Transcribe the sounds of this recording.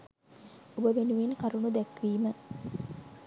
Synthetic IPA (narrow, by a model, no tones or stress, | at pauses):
obəʋenuʋinkaɾunud̪ɛkʋiːmə